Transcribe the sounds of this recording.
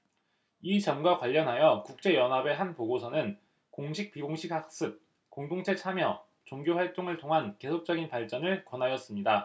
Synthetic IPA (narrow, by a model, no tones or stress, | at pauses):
it͡ɕʌmɡwakwaʎːʌnɦajʌkuk̚t͡ɕ͈e̞jʌnɦabe̞ɦanpoɡosʰʌnɯn | koŋɕʰik̚p͈iɡoŋɕʰikhak̚s͈ɯp̚ | koŋdoŋt͡ɕʰe̞t͡ɕʰamjʌ | t͡ɕoŋɡjoɸwaɭt͈oŋɯɭtʰoŋɦanke̞sʰok̚t͡ɕ͈ʌɡinpaɭt͡ɕ͈ʌnɯɭkwʌnɦajʌs͈ɯmɲida